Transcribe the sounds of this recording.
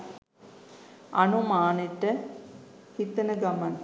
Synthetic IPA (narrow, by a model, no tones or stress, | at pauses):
ɐnumaːniʈːɐ | hit̪ːɐnɐɡɐmɐn